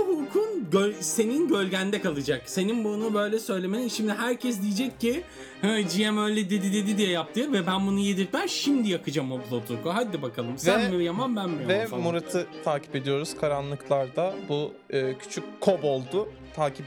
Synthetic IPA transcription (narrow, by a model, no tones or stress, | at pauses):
ɦujkʰunɟøse̞ninɟø̞lʲɟænd̪ɛkalˠɯd͡ʒakse̞ninbunubø̞jlʲɛsø̞jlʲe̞melʲimʃimd̪iɦæɾcʰɛs̬d̪ijid͡ʒɛcːi | hɯd͡ʒijemø̞jlʲɛd̪ed̪id̪ed̪id̪ijɛjap̚t̪ʰɯːvɛbænbunujed̪iɾt̪ʰæɾʃimd̪ijakɯd͡ʒamoplˠot̪ʰuɾkoɦad̪ːibakʰalˠɯmsænmijamanbænbivɛmuɾat̪ʰɯt̪ʰaːcʰi̥pe̞d̪ijo̞ɾuz̥kʰaɾanlˠɯklˠaɾd̪abu | ɯːcʰy̥t͡ʃʰyc̚ʲkʰːobo̞lˠd̪ʊ | t̪ʰaːcip